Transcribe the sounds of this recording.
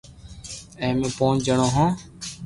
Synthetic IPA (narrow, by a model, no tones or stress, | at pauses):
ẽːmẽːpõːnd͡ʒəɳõːɦãː